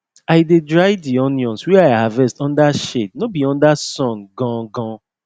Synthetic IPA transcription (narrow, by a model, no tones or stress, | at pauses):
aɪdedɹajdiɔnjɔ̃nswɛaavɛstɔ̃ndaʃednobiɔ̃ndasɔ̃nɡɔ̃ɡɔ̃